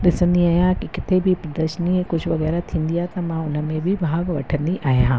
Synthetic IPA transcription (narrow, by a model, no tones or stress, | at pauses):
d̪ɪsə̃nd̪iaːjãkikɪt̪ʰebʱipɾɐd̪əʃəniekʊt͡ʃʰʋɐɣɛːɾat̪ʰĩːnd̪ijat̪ɐmãʊnə̆mẽbʱibʱaːɡʋɐ̰ʈʰə̃nd̪iʔaːɦjãː